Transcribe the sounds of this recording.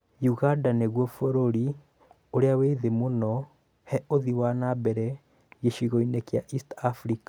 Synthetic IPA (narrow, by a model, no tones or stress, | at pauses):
juɣandaneɣwɔfoɾoɾi | oɾeaweðemonɔ | hɛoðiwanabɛɾɛ | jeʃiɣɔinekjaʔistafɾikḁ